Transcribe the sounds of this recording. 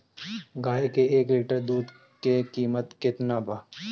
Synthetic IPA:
ɡaːekeeːkliːʈəɾd̪uːd̪ | kekiːmət̪kɪt̪nabʱa

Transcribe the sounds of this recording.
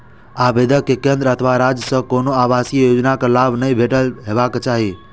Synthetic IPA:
abed̪əkːekẽnd̪ɾəət̪ʰəʋaɾad͡ʒsəkonoaʋasijəjod͡ʒnakəlabnəɦĩbʱeʈəlɦeʋakt͡ʃaɦe

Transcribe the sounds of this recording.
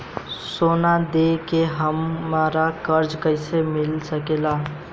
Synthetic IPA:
soːnad̪eːkeɦɐmːaːɾakɐɾd͡ʒkəɪsemɪlsɐkeːlaː

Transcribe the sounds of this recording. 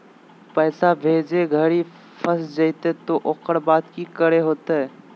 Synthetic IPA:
pəɪsabʱed͡ʒeɡʱəɾi | pʰəsd͡ʒəɪt̪et̪oʔokəɾbad̪kikəɾeɦot̪e

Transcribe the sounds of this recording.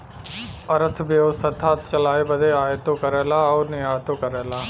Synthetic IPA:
ɐɾət̪ʰbioːsət̪ʰaːt̪t͡ʃɐlaːebəd̪ʱeaːt̪okɐɾeːlaːɔːnɪaːt̪okɐɾeːlaː

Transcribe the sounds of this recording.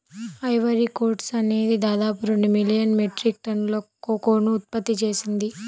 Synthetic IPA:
ɐjʋɐɾikoːɾʈsɐne̞ːd̪id̪aːd̪aːpuɾoɳɖimilijɐnmeʈɾik̚ʈɐnlo | oːkoːnuːt̪̚pɐt̪ːit͡ʃe̞ːsind̪i

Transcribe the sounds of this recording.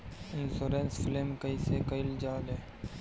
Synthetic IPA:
ɪnsoːɾensfɪleːmkəisekəɪld͡ʒaːleː

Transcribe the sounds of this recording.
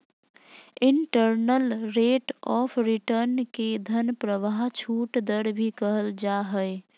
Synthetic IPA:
iɳʈəɾnəlɾeʈɔpʰɾiʈəɾnked̪ʱənpɾəbaɦt͡ʃʰuʈd̪əɾbʱikəɦəld͡ʒaɦəɪ

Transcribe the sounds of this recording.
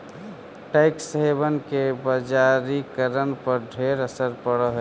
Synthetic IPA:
ʈaɪksəɦebənkebəd͡ʒaɾikəɾənpəɾɖʱeɾəsəɾpəɽəɦo

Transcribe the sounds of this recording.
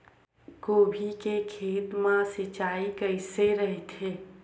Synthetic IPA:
koːbʱikekʰeːt̪mãsit͡ʃaikəɪseɾəɦet̪e

